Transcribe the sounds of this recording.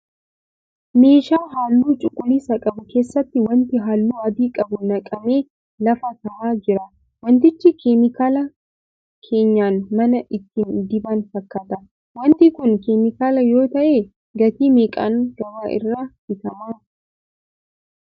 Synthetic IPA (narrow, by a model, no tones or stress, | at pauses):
me̞ːʃaːɦaːlːuːt͡ʃʼʊkʼːʊliːsɐkʼɐbʊke̞ːsːɐt̪ːɪwɐnt̪ɪɦaːlːuːɐd̪iːkʼɐbʊnɐkʼɐme̞ː | lɐfɐt̪ɐʔaːd͡ʒɪɾɐ | wɔnt̪ɪt͡ʃːɪkɛmɪkaːlɐ | kʰe̞ːɲːaːnmɐnɐʔɪt̪ːɪnd̪ɪbaːnfɐkːɐt̪ɐ | wɐnt̪ikʊnkɛmɪkaːlɐjo̞ːt̪ɐʔe̞ː | ɡɐt̪iːmeːkʼa̰ːnɡɐmaːʔɪ̰rːaː | ɪt̪ɐmaː